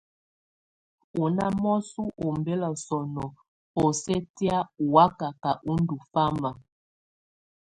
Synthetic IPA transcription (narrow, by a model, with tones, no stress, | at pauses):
u˨na˦mɔ˦su˦ʔo˨mbɛ˦la˨sɔ˨nɔ˨ | o˨se˦ti˦a˦u˨wa˦ka˨ka˨ʔu˦ndu˨fa˦ma˨